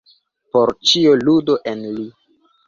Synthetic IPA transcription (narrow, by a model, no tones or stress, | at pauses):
poɾt͡ʃioludo̞ʔenli